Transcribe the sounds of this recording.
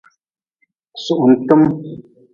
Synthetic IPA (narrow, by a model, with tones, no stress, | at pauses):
su˨ʔn̩˨tɨ˦m